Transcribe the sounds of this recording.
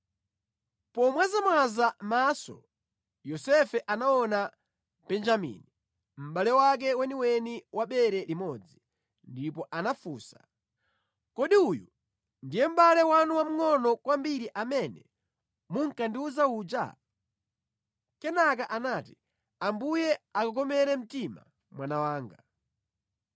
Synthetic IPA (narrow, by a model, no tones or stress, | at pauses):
pɔmwɛzamwazamaːsɔ̰ | jɔsɛfɛʔanaɔna | pɛnd͡ʒamḭni | m̩ɓalɛwak̬ɛwɛniwɛniwʔaɓɛɾɛlimɔd͡zi | ndipɔʔanafuːsa | kɔɗiuju | ndijɛm̩ɓalɛwanuwam̩ŋɔnɔkwambiɾiʔamɛnɛ̰ | muŋ̩kanduzauːd͡ʒa̰ | kɛnak̬aʔanaːti | ambujɛakakɔmɛɾɛm̩tima̰ | mwanawaːŋɡa